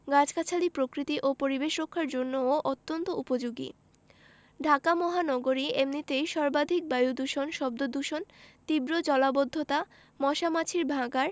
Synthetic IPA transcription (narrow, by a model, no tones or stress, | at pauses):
ɡad͡ʑkat͡ɕʰalipɾokɾit̪iʔopoɾibeʃɾokʰːaɾd͡ʑonːooʔot̪ːont̪oʔupod͡ʑoɡḭ | ɖʱakamɔɦanɔɡoɾiemnit̪ejʃɔɾbad̪ʱik̚bajud̪uʃonʃɔb̚d̪od̪uʃont̪ibɾod͡ʑɔlabod̪ʱːot̪a | mɔʃamat͡ɕʰiɾbʱaɡaɾ